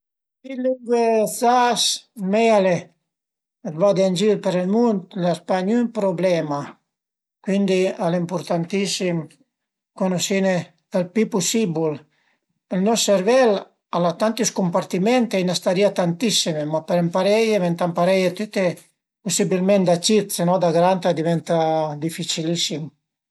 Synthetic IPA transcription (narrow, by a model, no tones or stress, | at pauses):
iluŋɡwesasmɛale | vad̪eand͡ʒiɾpeɾelmunt̪laspaɲympɾoblɛma | kwind̪ialimpuɾt̪ant̪isim | konosine | elpipusibul | elnɔsːeɾvɛl | alat̪ant̪uskumpaɾt̪imɛnt̪einast̪aɾiat̪ant̪isːimemapeɾɛmpaɾɛjevɛnt̪ampaɾɛjet̪yt̪e | pusibilmɛnt̪d̪at͡ʃit̪senɔd̪aɡɾant̪ad̪ivɛnt̪ad̪ifit͡ʃilisim